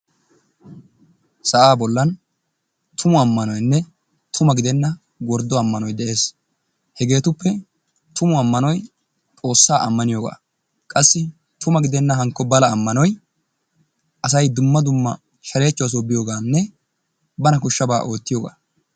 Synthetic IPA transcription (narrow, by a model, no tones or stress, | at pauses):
sɐʔaːbɔlːɐn | t̪ʰʊmʊɐmːɐnɔjnːɛ | t̪ʰʊmɐɡɪd̪ɛnːɐ | ɡɔɾd̪ːɔɐmːɐnɔjd̪ɛʔe̞ːs | hɛɡe̞ːt̪ʊpːɛ | t̪ʊmʊɐmːɐnɔj | t̪ʼo̞ːsːaːʔɐmːɐnɪjoːɡa̰ː | kʼɐsːɪ | t̪ʰʊmɐɡɪd̪ɛnːɐɦɐŋkːɔbɐlɐːmːɐnɔj | ʔɐsɐjd̪ʊmːɐd̪ʊmːɐ | ʃɐle̞ːt͡ʃːɔwɐs̬oːbɪjoːɡaːnːɛ | bɐnɐkʊʃːɐbaːʔo̞ːt̪ːɪjoːɡa̰ː